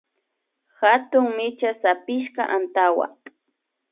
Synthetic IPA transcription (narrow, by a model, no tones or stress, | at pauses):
xat̪ʊŋmɪt͡ʃasapɪʃkaʔant̪awa̰